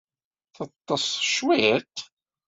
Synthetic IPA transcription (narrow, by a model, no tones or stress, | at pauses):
θɑt̪ˤːɑsθə̥ʃwit̪